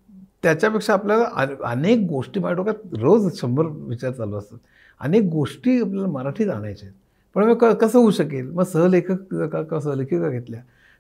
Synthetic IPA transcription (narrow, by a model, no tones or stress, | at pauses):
t̪jat͡ɕjapekʂaːpljalaʔəə̰nek̚ɡoʂʈiːbaʈʰokat̪ɾod͡zt͡ɕʰəməɾʋit͡ɕaɾt͡saloəst̪at̪ | ə̰nek̚ɡoʂʈiːap̬ljalaməɾaʈʰiːd͡z̪aɽ̃a̰jt͡ɕet̪ | pəɳməkəkəsəɦuɕəkelməɡsəɦəlekʰəkkakas̬əɦəlekʰəkaɡʱet̪lja